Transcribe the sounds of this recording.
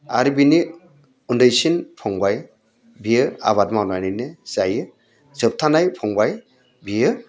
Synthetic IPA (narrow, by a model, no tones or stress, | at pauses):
aɾibini | undɯjsinpʰɔŋbaj | biɯa̰βat̚mawnajnɯnɯz̥ajɯ | zɯp̚tʰanajpʰɔŋbaj | bijɯ